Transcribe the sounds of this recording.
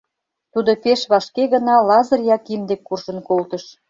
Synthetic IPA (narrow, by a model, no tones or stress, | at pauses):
t̪ud̪opeʃβɑʃkeɣə̆nɑlɑzɤ̆rjɑkimd̪ekːurʒə̆nkolt̪ə̆ʃ